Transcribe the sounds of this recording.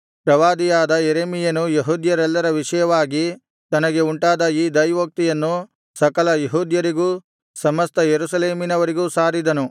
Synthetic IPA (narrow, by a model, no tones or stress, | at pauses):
pɾɐʋaːd̪ijaːd̪ɐjeɾeːmijɐnujeɦuːd̪jɐɾɛlːɐɾɐʋiʂɐjɐʋaːɡi | t̪ɐnɐɡe̞uɳʈaːd̪ɐiːd̪ɐjʋɐk̚t̪ijɐnːu | sɐkɐlɐjeɦuːd̪jɐɾiɡuː | sɐmɐst̪ɐjeɾusɐleːminɐʋɐɾiɡuːsaːɾid̪ɐnu